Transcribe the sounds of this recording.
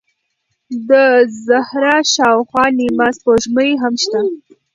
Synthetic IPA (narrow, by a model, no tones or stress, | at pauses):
d̪əzahɾɑʃɑwxwɑnimazpoʒməniɦamʃt̪a